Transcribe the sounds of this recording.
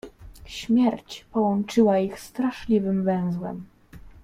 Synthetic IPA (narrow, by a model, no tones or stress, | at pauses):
ɕmʲjɛɾt͡ɕpɔwɔnt͡ʂɘwaixst̪ɾaʂlʲivɘmvɛ̃w̃zwɛ̰m